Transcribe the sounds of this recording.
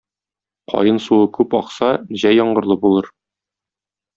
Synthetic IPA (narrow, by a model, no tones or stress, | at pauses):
qʰɒ̰jɤnsuɤkʉpɒqsɑʑæjːɒɴɢɤ̆ɾlˠɤbulˠɤɾ